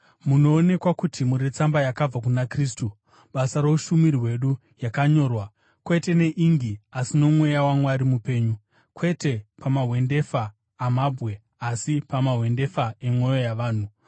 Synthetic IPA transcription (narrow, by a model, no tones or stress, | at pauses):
muno̞ːne̞kwakutʰimuɾet͡sambajakab͡vak̬unakriːstu | ɓasaɾouʃumiɾiwe̞ɗu | jakaɲo̞ːrwa | kwe̞te̞ne̞ʔiŋɡiasino̞mwe̞jawamwaɾimupe̞ːɲu | kwe̞te̞pamaɦwe̞nde̞faː | mabʱwe̞ | asipamaɦwe̞nde̞fae̞mwo̞jo̞jaʋaːn̤u